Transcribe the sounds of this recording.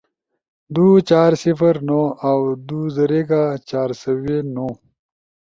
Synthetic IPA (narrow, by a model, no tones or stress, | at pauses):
d̪ut͡ʃaːɾsifəɾnoawd̪uzɐɾeɡat͡ɕaːɾsɐweno